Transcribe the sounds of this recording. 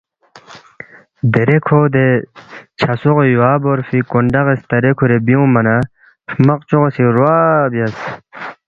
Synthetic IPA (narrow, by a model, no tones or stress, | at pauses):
d̪eɾekʰoːd̪e | t͡ɕʰɐsoɣojuaːboɾfikoɳɖɐɣest̪ɐɾekʰoɾebiõmɐna | pʰmɐqt͡ɕuʁosiɾwaːbjɐs